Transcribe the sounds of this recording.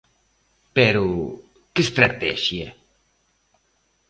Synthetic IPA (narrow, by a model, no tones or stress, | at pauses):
peɾu | kest̪ɾat̪ɛʃje